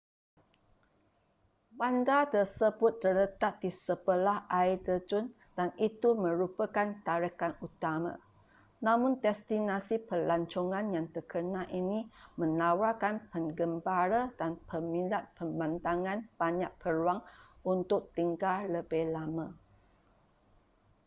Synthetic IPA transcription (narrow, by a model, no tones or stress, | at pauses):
bandat̪ərsəbʊt̪̚ːərlət̪at̪̚disəbəlahaidəd͡ʒʊn | d̥anit̪umə̃ɾupəkant̪aɾəkanut̪amã̰ | nãmʊ̃nt̪ɛst̪inasipəlaɲt͡ʃɔŋãnjaŋt̪əkənãʔinĩmə̃nawakanpəŋɡəmbaɾadanpəmĩlat̪̚pəmãnt̪aŋãnb̥aɲaʔ̚pʰəɾuaŋunt̪ʊk̚t̪iŋɡaləbɪhlamã